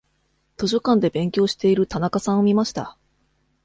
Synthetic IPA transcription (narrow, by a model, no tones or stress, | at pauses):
t̪o̞ɕo̞kãnd̪e̞bẽ̞ŋkʲo̞ːɕi̥t̪e̞iɾɯ̟t̪anakasãɰ̃o̞mʲimaɕi̥t̪a̰